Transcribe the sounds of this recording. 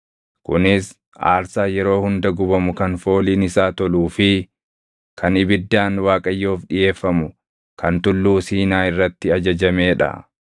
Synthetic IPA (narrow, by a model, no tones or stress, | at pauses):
kʊnɪs | ʔa̰ːɾsaːjɛɾo̞ːhʊnd̪ɐɡʊbɐmʊkɐnfo̞ːliːnɪsaːt̪ɔluːfɪ | kʰɐnɪbɪd̪ːaːnwaːkʼɐjːo̞ːfᶑɪje̞ːfːɐmʊ | kʰɐnt̪ʊlːuːsiːnaːɪrːɐt̪ːɪɐd͡ʒɐd͡ʒɐmeːᶑɐ̰